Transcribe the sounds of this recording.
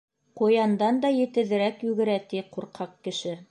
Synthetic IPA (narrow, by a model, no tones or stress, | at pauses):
qujɑnd̪ɑnd̪ɑjɘ̆t̪ɘ̆ðɘ̆ɾækjʉɡɘ̆ɾæt̪iquɾqʰɑqkːɘ̆ʃɘ